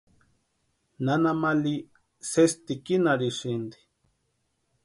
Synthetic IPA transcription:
nanamali | sest̪ikinaɾiʃind̪i̥

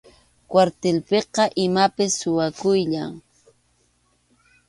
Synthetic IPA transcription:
kwaɾt̪elpeqɑʔɪmapɪsːʊwakʊjʎaŋ

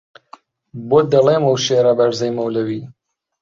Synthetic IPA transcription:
bot̪̚d̪ɐleːmɐwʃeːɾɐbɐɾzɐjmɐwlɐwiː

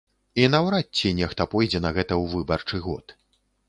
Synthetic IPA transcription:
inɐwɾatʲt͡sʲːinʲɛxt̪ɐpɔjd͡zʲɛnɐɣɛt̪ɐwvɨbɐrt͡ʂɨɣɔ̰t̪

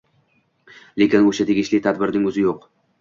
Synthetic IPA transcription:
le̞kʲɪnoʃat̪ʰe̞ɡʲɪʃlɪt̪ʰad̪bɪɾnɪŋɵzɪjoq

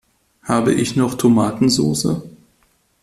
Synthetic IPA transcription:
haːbə̰ʔɪçnɔχtʰomaːtn̩zo̰ːsə̰

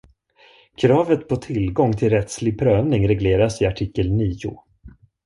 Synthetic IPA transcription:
kʰɾɑːvət̪pʰɔt̪ʰɪlɡɔŋːt̪ʰɪlɾɛt̪slɪɡ̚pʰɾøːvnɪŋɾɛɡleːɾasɪaʈʰiːkːəlniːʊ̰

